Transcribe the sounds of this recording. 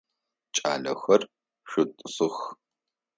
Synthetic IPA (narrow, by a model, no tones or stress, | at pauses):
t͡ʃʼa̰ːɮɐxɐr | ʃʷʊtʼɨsɨx